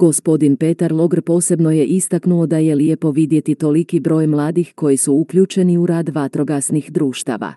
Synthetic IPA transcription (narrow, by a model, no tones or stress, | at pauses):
ɡ̥o̞spo̞d̪inpe̞t̪aɾlˠo̞ɡɾpo̞ːse̞bno̞je̞ʔist̪aknuo̞d̪aje̞ljepo̞ʋid̪je̞t̪it̪o̞likibɾo̞ːjmlˠaːd̪ixko̞jisuukʎuːt͡ʃe̞niuɾaːd̪ʋat̪ɾo̞ɡasnixd̪ɾuːʃt̪a̰ːʋa̰